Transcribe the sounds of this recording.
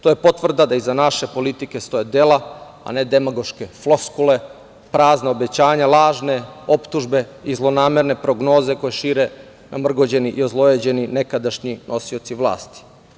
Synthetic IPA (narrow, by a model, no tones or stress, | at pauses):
t̪ojepo̞t̪ʋr̩d̪ad̪aizanaʃe̞po̞lit̪ike̞st̪o̞jed̪ela | a̰ne̞d̪emaɡo̞ʃke̞flˠo̞skule̞ | pɾaːznaobe̞t͡ɕaːɲalˠaːʒne̞o̞pt̪uʒbe̞izlˠo̞naːme̞ɾne̞pɾo̞ɡno̞ːze̞ko̞jeʃiːɾe̞ | namr̩ɡo̞d͡ʑe̞niʔiozlˠojed͡ʑe̞nine̞kad̪aʃɲinʔosiot̪siʋlˠa̰ːst̪i̥